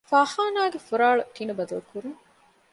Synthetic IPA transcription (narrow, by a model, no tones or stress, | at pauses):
faːhaːnaːɡefuɾaːɭɐʈ̪inɐbɐd̪ɐlkuɾuŋ